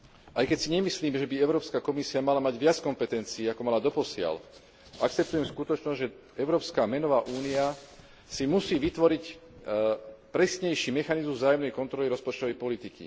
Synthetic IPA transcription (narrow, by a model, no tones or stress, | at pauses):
ʔajkɛcsiɲɛmisliːmʒɛbiɛʊɾɔːpskakɔmisiamalamaɟʋɪat͡skɔmpɛt̪ɛnt͡siːakɔmalad̪ɔpɔsɪa̰l | ʔak̚t͡sɛp̚t̪ujɛmskut̪ɔt͡ʃnɔzʒɛ | ɛʊɾɔːpskamɛnɔʋaːʔuːnia | simusiːʋit̪ʋɔɾic | pɾɛsɲɛjʃiːmɛxanizmuzvzaːjɔmnɛjkɔnt̪ɾɔliɾɔspɔt͡ʃt̪ɔʋɛjpɔlit̪ikḭ